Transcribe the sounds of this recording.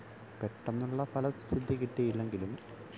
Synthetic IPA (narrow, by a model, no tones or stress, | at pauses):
peʈːɐnːuɭːɐpʰɐlɐsid̪ʱːikiʈːejilːe̞ŋɡilum